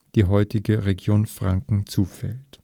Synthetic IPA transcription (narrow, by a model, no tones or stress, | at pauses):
d̥iːɦɔʏtɪɡəʁeɡjoːnfʁ̥aŋkŋ̩t͡suːfɛlt